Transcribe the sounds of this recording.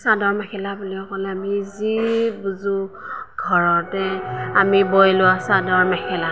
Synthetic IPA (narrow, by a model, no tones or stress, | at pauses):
sadɔɹmɛkʰɛlabuliɔkɔlɛamizibuzʊɡʱɔɹɔtɛamibɔjlʊwasadɔɹmɛkʰɛla